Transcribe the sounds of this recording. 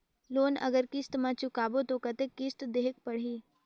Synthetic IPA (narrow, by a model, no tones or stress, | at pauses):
loːnɐ̰ɡəɾkɪst̪mãt͡ʃʊkaːbot̪okɐt̪ekɪst̪d̪eɦək̚pɐɽ̤ɦiː